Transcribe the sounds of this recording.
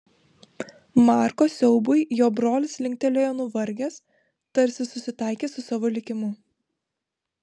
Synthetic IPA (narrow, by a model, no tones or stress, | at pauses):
mɑːɾkoːsʲɛʊbʊjjoːbɾoːlʲɪslʲɪŋk̚ʲt̪ʲɛlʲoːjɛnʊʋɐɾʲɡʲes | t̪ɐɾʲsʲɪsʊsʲɪt̪ɑˑɪkʲeːsʊsɑːʋoːlʲɪkʲɪmʊ